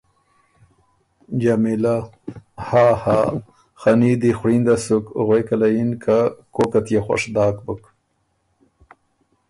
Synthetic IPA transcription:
d͡ʒamila | haːha | xanid̪ixɽind̪asukɣejkalajinkʰakokat̪jexwa̰ʂd̪ɑːkbʊk

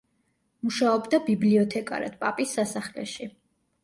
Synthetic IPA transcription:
muʃaɔbd̪abibliɔt̪ʰɛkʼa̰ɾa̰d̪̥pʼapʼisːasaχlɛ̰ʃi

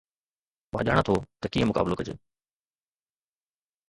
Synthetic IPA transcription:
mã̰ːʄa̰ːɽ̃at̪ʰot̪ɐkiːə̃mʊka̰ːbɪlokɐd͡ʑḛ

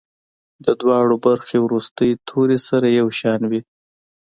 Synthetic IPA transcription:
d̪əd̪wɑɽobaɾxewɾust̪əjt̪ʰoɾesaɾajawʃɑnwi

